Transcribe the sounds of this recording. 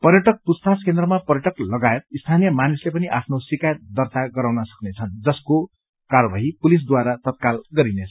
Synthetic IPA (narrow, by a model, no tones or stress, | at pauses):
pʌɾjʌʈʌk̚pust̪ʰaskend̪rʌmapʌrjʌʈʌklʌɡaet̪̚ist̪ʰanijʌmanislepʌniʔapʰnosikajt̪̚d̪ʌrt̪aɡʌɾawnʌsʌ̥knet͡sʰʌnd͡zʌsko | karʌbaɦipulis̬d̪waɾat̪ʌt̪̚kalɡʌɾinet͡sʰ